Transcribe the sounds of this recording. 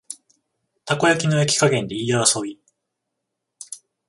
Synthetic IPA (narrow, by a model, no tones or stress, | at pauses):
t̪ako̞jakʲino̞jakʲi̥kaɡẽ̞nd̪e̞ijaasoɡʲi